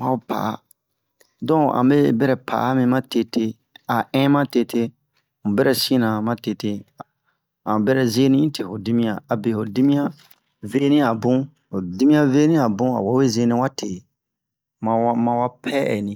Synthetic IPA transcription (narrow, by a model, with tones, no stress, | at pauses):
mã˨o˦pʰa̰˨a̰˨ | dɔ̃˦˨ã̰˨be˦bɛ˦ɾɛ˨pʰa̰˨˦mĩ˧mã˦te˦tʰe˦ | a˨ɛ̃˦mã˦te˦tʰe˦ | mũ˨bɛ˦ɾɛ˦˨sĩ˦nã˨mã˦te˦te˦ | ã̰˨bɛ˦ɾɛ˨ze˦nĩ˦ĩ˦tʰe˨ho˨di˦mĩ˦ã˨a˨be˨ho˨di˦mĩ˦ã˦ | ve˦nĩ˦a˨bũ˦ | o˨di˦mĩ˦ã˦ve˦nĩ˦a˨bũ˦a̰˨wa˨˦we˦ze˦nĩ˦wa˦tʰe˨ | mã˨mã˧wa˦pʰɛ˦ɛ̰˨nĩ˨